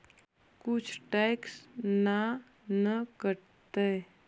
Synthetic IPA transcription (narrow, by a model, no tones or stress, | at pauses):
kʊt͡ʃʰʈɛksna | nəkəɾ | t̪e